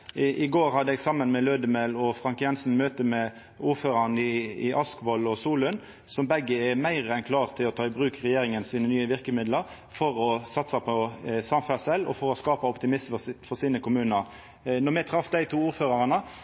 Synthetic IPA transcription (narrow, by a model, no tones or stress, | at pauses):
ʔɪɡoːʁhɑd̪əɛɡsɑmːənmɛløːd̪əmɛlɔfʁɑŋkjɛnsn̩møːt̪əmɛ | uːɾføːɾɑnəɪɪʔɑskʋɔlɔsuːlən | sɔmbɛɡːəɛmæɪʁɛnkʰlɑːʁt̪ʰɪlɔt̪ʰɑːɪbʁʉːkʁɛjeːɾɪŋənsiːnənyːəʋɪʁkəmɪd̪ləʁ | fɔʁɔsɑt̪sɑpʰɔsɑmfæsɛlːɔ̰fɔɾɔskɑːpɑɔpt̪ɪmɪsməfɔʁsiːnəkʊmʉːnəɾ | nɔmɛt̪ʰɾɑfd̪æɪt̪ʰuːuːɾføːʁɑʁɑnə